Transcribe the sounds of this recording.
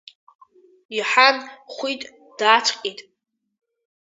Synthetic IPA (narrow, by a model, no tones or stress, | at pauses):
iħanχʷitʼ | d̥aːt͡ʃʷʰqʼitʼ